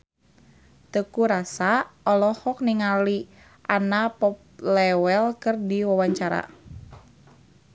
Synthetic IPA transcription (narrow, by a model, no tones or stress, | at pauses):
t̪əkuɾasaɔlɔhɔk̚niŋali | ʔanapɔp̚lɛwɛlkərdiwawaɲt͡ʃaɾa̰